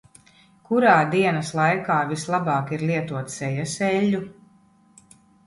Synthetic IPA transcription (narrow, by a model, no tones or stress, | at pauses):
kuɾaːd̪iɛnɐslˠajkaːvislˠabɑːkiɾlˠiɛt̪uɔt̪sɛjasɛlʲːu